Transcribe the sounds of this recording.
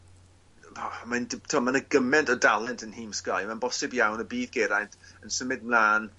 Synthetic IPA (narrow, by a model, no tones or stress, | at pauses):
mantʰɔmanəɡəmɛntʰɔdalˠɛntʰənhiːmskajmanbɔsɪbjawnəbiːðɡeɾajntənsəmɪd̚mlˠaːn